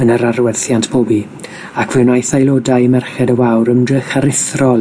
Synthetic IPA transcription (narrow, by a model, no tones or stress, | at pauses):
ənəɾaɾwɛθjantʰb̥oːbi | akʰv̥ɪwnajθajlˠoːdajmɛrχɛdəwawɾəmdrəχaɾɪθrɔ